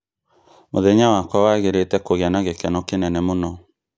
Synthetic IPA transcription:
moðɛɲawakwawaɣeɾetɛkoɣeanaɣekɛnɔkenɛnɛmonɔ

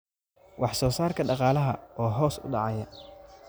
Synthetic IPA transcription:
wʔɑħsɔːsaːrkʰɐɖɑqɑːlɐɦɐɔːɦɔːsʊ̰ɖɑ̰ʕɑjɐ

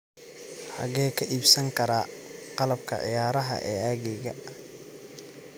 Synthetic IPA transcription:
ħɑ̰ɣɛːkʰɐʔiːbsɐŋkʰɐɾaːqɑlɐbkʰɐ̰ʕɪ̰jaːɾɐɦɐ̰ʔɛːaːɣɛɣɐ

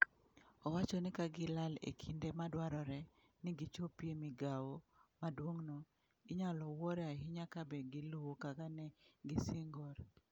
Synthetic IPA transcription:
ɔwat͡ʃɔnɪkaɡɪlalḛkʰindemadwaɾɔɾɛ | nɪɡit͡ʃopjemiɡawomadwoŋnɔ | ɪɲalɔwɔɾɛaɦiɲakabɛɡɪluwokakanɛɡɪsɪŋɡɔɾ

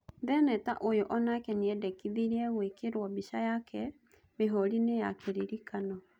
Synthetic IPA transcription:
ðɛnɛtaʔojoʔɔnakɛniɛdɛkiðiɾiɛɣwekeɾwɔbiʃajakʰɛ | meɦɔɾineja̰keɾiɾikʰanɔ

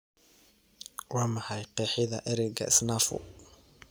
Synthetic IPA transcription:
wɑːmɐħɑjqɛːħɪðɐʔɛɾɛɡɐ̰ɪsnaːfʊ̰

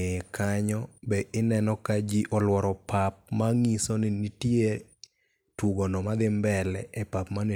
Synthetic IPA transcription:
ekaɲɔbɛʔɪnɛnɔkad͡ʒiʔɔlwɔɾɔpap̚maŋisɔnɪnitje | twuɡɔnɔmad̪ɪmbɛlɛʔɛpapmanɪ

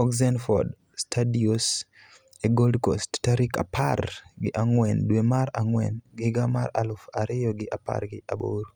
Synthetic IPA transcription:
ɔkzɛnfɔd | stʰadios | eɡoldkosttaɾika̰pʰa̰rɡɪʔaŋwɛndwemaɾaŋwɛnɡɪɡamaɾa̰lʊfaɾɪjɔɡɪʔapa̰rɡɪabo̰ɾ

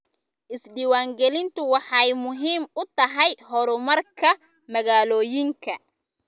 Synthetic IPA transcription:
ʔɪsɖiːwaːŋɡɛlɪnt̪ʰʊwɑħɑjmʊɦiːmʊt̪ʰɐɦɛjɦɔɾʊmɐrkʰɐ | mɐɣaːlɔːjɪŋkʰɐ

